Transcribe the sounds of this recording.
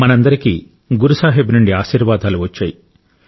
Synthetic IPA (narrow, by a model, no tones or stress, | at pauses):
mɐnɐnd̪ɐɾikiː | ɡuɾusaːɦebnuɳɖiaːʃiːɾʋaːd̪ʱaːluʋɐt͡ʃːa̰ːji